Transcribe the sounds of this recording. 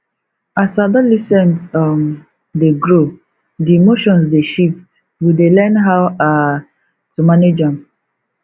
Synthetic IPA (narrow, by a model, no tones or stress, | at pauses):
asadalisɛ̃ntam | deɡɹo | dimoʃɔ̃ns̬deʃift | widelɛnɦawa | tumaned͡ʒãm